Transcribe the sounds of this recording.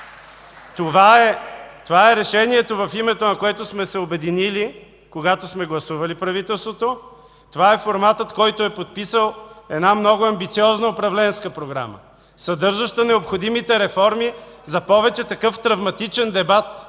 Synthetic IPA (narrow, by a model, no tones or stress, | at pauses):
t̪ovaɛt̪ovaɛɾɛʃɛniɛt̪ovɐfimɛt̪onɐkoɛt̪osmɛsɛobɛd̪inili | koɡat̪osmɛɡlˠɐsuvɐlipɾɐvit̪ɛlˠst̪vot̪o | t̪ovaɛfoɾmat̪ət̪kɔjt̪oɛpot̪̚pisəlˠɛd̪namnɔɡʊɐmbit̪siɔznəopɾɐvlɛnskəpɾoɡɾa̰mə̰ | sɐd̪ɤɾʒɐʃt̪ənɛopxod̪imit̪ɛɾɛfɔɾmi | zɐpɔvɛt͡ʃɛt̪ɐkɤft̪ɾɐvmɐt̪it͡ʃɛnd̪ɛbat̪̚